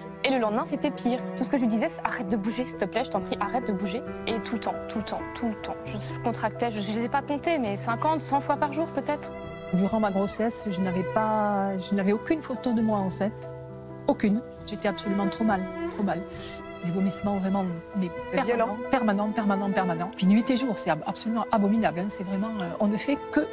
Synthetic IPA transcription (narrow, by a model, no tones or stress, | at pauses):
eləlɑ̃d̪mɛ̃set̪ɛpʰiːʁt̪usə̥kəʒəid̪izɛsaʁɛt̪̚d̪əbuʒesə̥t̪əplɛʒət̪ɑ̃pχiʔaʁɛt̪̚d̪əbuʒeet̪ʰult̪ɑ̃t̪ult̪ɑ̰̃t̪ʰult̪ɑ̰̃ʒəʒəkɔ̃t̪χak̚t̪ɛʒəʒazɛpakɔ̃t̪emɛsɛ̃kɑ̃t̪sɑ̃fwapaʁʒuːʁpøt̪ɛt̪χ | d̪yʁɑ̃maɡʁosɛsʒənavɛpaʒənavɛokʲynfot̪od̪əmwaɑ̃sɛ̃t̪ | okʲyn | ʒeːt̪ɛapsolymɑ̃t̪χomalt̪χomal | d̪yɡɔmismɑ̃vʁɛmɑ̃mɛpɛʁvjɔl̃pɛʁmanɑ̃pɛʁmanɑ̃pɛʁmanɑ̃pɥinɥit̪eʒuːʁsɛapsolymɑ̃ʔabɔminablɛ̃sɛvʁɛmɑ̃øʔɔ̃nəfɛkə